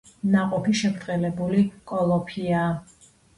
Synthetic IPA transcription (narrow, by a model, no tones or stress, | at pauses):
naqʼɔpʰiʃɛbɾt̪ʼχʼɛlɛbulikʼɔlˠɔpʰiaː